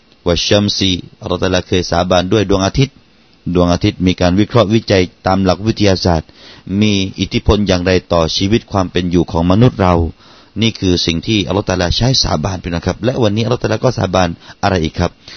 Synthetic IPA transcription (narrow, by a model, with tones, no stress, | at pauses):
waː˧˩ɕa˧msi˧ʔa˧lːt̪a˧laː˧kʰɤː˧jsaː˨˦baː˧ndu˥˩əjdu˧˩əŋʔa˧t̪ʰi˦˥t̪̚ | du˧˩əʔaː˧t̪ʰi˦˥t̪̚miː˧kaː˧nwi˦˥˩kʰɾɔ˦˥ʔwi˦˥t͡ɕa˧jt̪aː˧mla˨˩k̚wi˦˥t̪ʰːa˧jaː˧saː˨˩t̪̚miː˧ʔi˨˩t̪ʰi˦˥pʰo˧njaː˨˩ŋɾa˧jt̪ɔː˨˩t͡ɕʰiː˧wi˦˥t̪̚kʰwaː˧mpe˧njuː˨˩kʰɔː˩˦ŋma˧nu˦˥t̪̚ɾa˧w | niː˥˩kʰɯː˧si˨˩ŋt̪ʰiː˥˩ʔa˧lɔː˦˥˩t̪a˧laː˧t͡ɕʰa˦˥jsa̰ː˨˦baː˧npa˧˩na˥˩kʰp̚lɛ˦˥ʔwa˧nːi˦˥ʔlːt̪a˧aː˧kɔː˥˩sa̰ː˨˦baː˧nʔa˧ɾa˧jʔiː˨˩kʰːa˦˥p̚